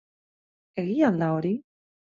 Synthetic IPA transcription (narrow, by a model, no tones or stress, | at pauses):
eɣialaoɾi